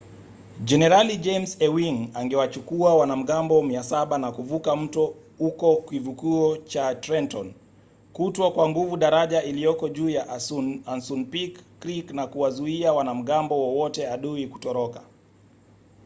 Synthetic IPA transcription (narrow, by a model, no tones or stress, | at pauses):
d͡ʒɛnɛɾalid͡ʒɛmsɛwiŋaŋɡɛwat͡ʃukuawanam̩ɠambɔmiasaɓanakuvukam̩tɔ | hukɔkivukuɔt͡ʃatɾɛntɔn | kutwakwaŋɡuvuɗaɾaʄailijɔkɔʄuːjaʔansunpikː | ɾiknakuwazuiawanam̩ɠambɔwɔwɔtɛaɗuiku̥tɔɾɔkḁ